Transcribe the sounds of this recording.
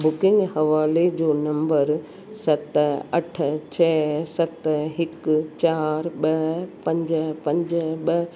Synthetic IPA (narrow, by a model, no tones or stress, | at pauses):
bʊkɪ̃ŋɡhɐʋaːled͡ʑoːnɐ̃mbəɾ | sɐt̪ɐʈʰt͡ɕʰɛːsɐt̪ɦɪkt͡ɕaːɾɓɐɦpɐ̃ɲd͡ʑəpɐ̃ɲd͡ʑɓɐ